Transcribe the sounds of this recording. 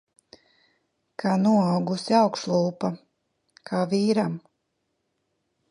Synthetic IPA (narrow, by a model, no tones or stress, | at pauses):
kʰaːnuɔawɡusiawkʃlˠuːpa | kʰaːviːɾam